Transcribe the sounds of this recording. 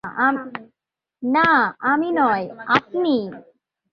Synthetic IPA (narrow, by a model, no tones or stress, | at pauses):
a | naaminɔjapni